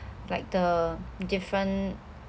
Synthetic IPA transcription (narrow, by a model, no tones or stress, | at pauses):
laɪk̚dədɪfɹə̃n